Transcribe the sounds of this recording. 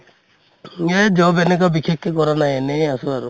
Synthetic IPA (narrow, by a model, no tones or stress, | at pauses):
ed͡ʒɔbenekɔbikʰekːekɔɾanajeneasuaɾu